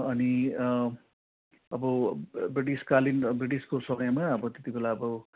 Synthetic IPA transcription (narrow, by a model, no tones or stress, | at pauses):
ʌni | ʌbʌbriʈiskalinbriʈiskosʌɡʌjmaʌbʌt̪et̪ibelaʌbʌ